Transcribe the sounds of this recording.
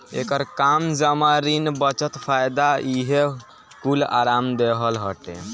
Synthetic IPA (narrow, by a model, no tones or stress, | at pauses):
ḛkəɾkamd͡ʒəmaɾinbət͡ʃət̪pʰajd̪aiɦe | kula̰ɾamd̪eɦəlɦəʈḛ